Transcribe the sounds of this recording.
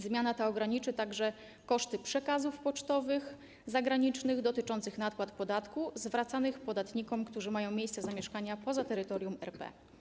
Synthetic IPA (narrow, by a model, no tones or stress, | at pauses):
zmʲjanat̪aɔɡɾaɲit͡ʂɘt̪aɡʐɛ | kɔʂt̪ɘpʂɛkazufpɔt͡ʂt̪ɔvɘx | zaɡɾaɲit͡ʂnɘɣd̪ɔt̪ɘt͡ʂɔnt̪sɘxnat̪̚kwat̪pɔd̪at̪kuzvɾat̪sanɘxpɔd̪at̪ɲikɔmkt̪uʐɘmajɔ̃w̃mʲejst̪sɛzamʲjɛʂkaɲapɔzat̪ɛɾɘt̪ɔɾjumɛ̰ɾpɛ̰